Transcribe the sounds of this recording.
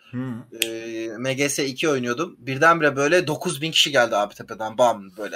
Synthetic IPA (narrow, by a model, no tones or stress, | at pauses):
meɟesɛicʰio̞jnujo̞d̪umbiɾd̪ænbiɾɛbø̞jlʲɛd̪o̞kʰuzbincʰi̥ʃiɟælʲd̪iaːbit̪ʰeped̪ænbamɯnbøjlʲɛ